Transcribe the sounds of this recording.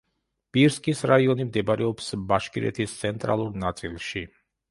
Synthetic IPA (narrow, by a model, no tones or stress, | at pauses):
b̥iɾskʼisɾaiɔnimd̪ɛbɾɛɔpsbaʃkʼiɾɛ̰t̪ʰist̪sʰɛnt̪ʼɾa̰lˠuɾnat̪sʼilˠʃi